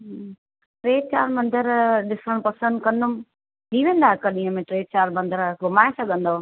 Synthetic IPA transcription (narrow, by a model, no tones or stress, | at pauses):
ɦ | ʈɾeːɖ̚t͡ɕaːɾmɐ̃nd̪əɾɗɪsəɽ̃pɐsə̃nd̪kɐ̃nd̪ʊm | ɗiːʋẽːnd̪aːɦɪkɐɗĩɦəmẽʈɾeːɖ̚t͡ɕaːɾmɐ̃nd̪əɾɡʊmaːesɐɡʱə̃nd̪o